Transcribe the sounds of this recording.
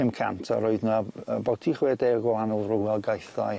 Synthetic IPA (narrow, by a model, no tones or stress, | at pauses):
ɪmkʰa̰ntʰa̰ɾɔɨðnaəbɔtʰiχwɛːdeɡɔanʊlˠrʊwɛlˠɡajθa̰j